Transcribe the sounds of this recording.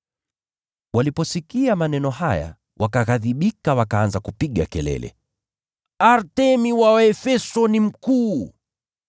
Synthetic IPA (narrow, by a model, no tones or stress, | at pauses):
walipɔsikiamanɛnɔhaja̰ | wʔakaɣaðiɓikawakaanzakupiɠa̰kɛlɛ̰lʔɛ̰ | aɾtɛmiwaɛfɛsɔnim̩kuː